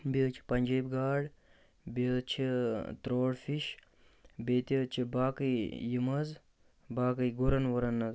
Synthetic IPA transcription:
bet͡ʃʰi̥pɐnd͡ʒejbɡaːɽ | bet͡ʃʰit̪ɾoːɽfʰiʃ | beːt̪it͡ʃʰibaːkɨjjimɐz | baːkɨjɡuɾɐnʋɐɾɐnːɐz

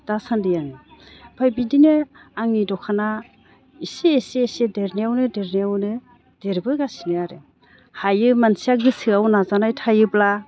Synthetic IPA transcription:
d̥asandɯjaŋibʰajbidineaŋnidɔkʰana | iseːsesedeɾniawnɯdeɾniawnɯ | d̥eɾbɯɡasinɯaɾe | hajɯmansiak̚dɯsɯawnazanajtʰajɯbla

